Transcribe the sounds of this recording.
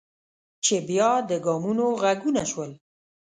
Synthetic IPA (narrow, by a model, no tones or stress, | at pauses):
t͡ʃebjɑd̪əɡɑmunoɣaɡunaʃwəl